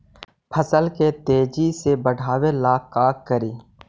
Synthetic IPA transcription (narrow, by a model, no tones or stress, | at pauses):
pʰəsəlket̪eːd͡ʒisebəɽʱaːwelaːkːaːkːəɾiː